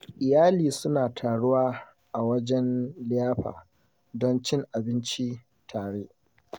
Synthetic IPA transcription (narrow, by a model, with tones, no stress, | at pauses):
ʔɪ˨jaː˦liː˨sʊ˦naː˨tʰaː˨ɽʊ˦waː˦ | ʔa˨wɐ˦d͡ʒɛ˦nlɪ˦jaː˦ɸa̰ː˨ | dɔ˦nt͡ʃɪ˦ŋʔa˨bɪ˦nt͡ʃi˦ | tʰaː˨ɽeː˦ʔ